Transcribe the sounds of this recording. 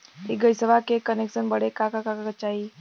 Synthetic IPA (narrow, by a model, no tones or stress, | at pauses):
iɡəisəʋakekəneksənbəɽekakakakakət͡ʃaɦi